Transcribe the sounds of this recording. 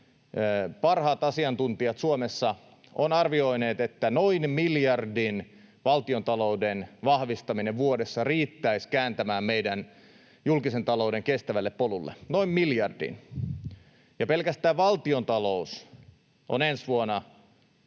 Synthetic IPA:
pɑrhɑːt̪ɑsiɑnt̪unt̪iɑt̪suomesːɑ | onɑrʋio̞ineːt̪et̪ːænoinmiljɑrdin | ʋɑlt̪iont̪ɑloudenʋɑhʋist̪ɑmineʋʋuodesːɑriːt̪ːæiskæːnt̪æmæːmmeidæn | julkisent̪ɑlouwdeŋkest̪æʋælːeppolulːḛnoimmiljɑrdḭn | jɑpelkæst̪æːʋʋɑlt̪iont̪ɑlous | ʔo̰nensʋuonɑ

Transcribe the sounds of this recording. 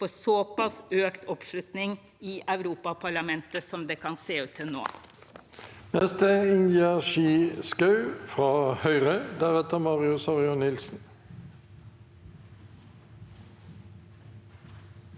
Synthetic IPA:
fɔsopɑsøːkt̪ɔpʂlʉt̪nɪŋ | iːʔɑʉɾuːpɑpʰɑɭɑmɛnt̪əsɔmd̪eːkʰɑnseːʉːt̪ʰːɪlno̰ː | nɛst̪əɪnjæʃiːskɑʉfʁɑːhœʏʁəd̪æʁɛt̪əʁmɑːʁɪʊsɑʁɪʊnɪlsn̩

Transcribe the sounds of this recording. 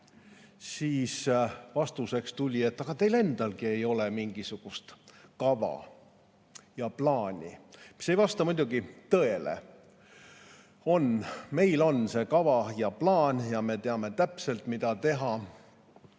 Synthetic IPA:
siːsvɑst̪use̞kst̪ulʲie̞t̪ːˑɑɡ̥ɑt̪e̞jle̞nd̪̥ɑlɡie̞jo̞le̞miŋɡ̥isuɡ̥ust̪kɑvɑ̰ | jɑplɑːnʲḭmi̥se̞jvɑst̪ɑmud̪uɡit̪ɤe̞lḛ | o̞nme̞jlo̞nse̞ːkɑvɑjɑplɑːnjɑme̞t̪e̞ɑme̞t̪æpse̞lt̪mid̪ɑt̪e̞ɦɑ

